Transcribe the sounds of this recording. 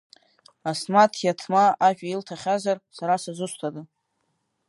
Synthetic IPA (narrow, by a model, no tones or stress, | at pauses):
asmatʰjatʰmaaʒʷᶣʼailtʰaχʲazarsaɾasazʷɨsʷtʰadɨ